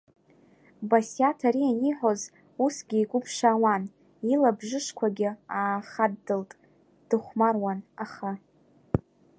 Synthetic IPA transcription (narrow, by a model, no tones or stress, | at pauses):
basjatʰaɾianiħʷoz | usɡʲiːɡʷʊpʰʂaːwan | ilabʐɨʂkʷʰaɡʲɪaːχadːɨltʼ | d̥ɨχʷmarwanaχa